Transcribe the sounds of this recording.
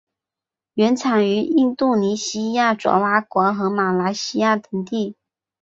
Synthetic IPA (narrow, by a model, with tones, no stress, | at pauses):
ɥɛ˧˥nt͡sʰɑ˨˩ŋy˧˥i˥˧nt̪u˥˩ni˧˥ɕi˥ja˥˩ʈ͡ʂwɑ̰˧˥wa˥kwɑ˧˥xɤ˧˥ma˨˩la˧˥ɪɕi˥ja˥˩t̪ɤ˧˥ŋt̪i˥˩